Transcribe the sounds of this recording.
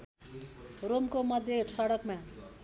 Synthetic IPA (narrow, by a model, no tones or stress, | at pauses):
romkomʌd̪ʱjesʌɽʌkmã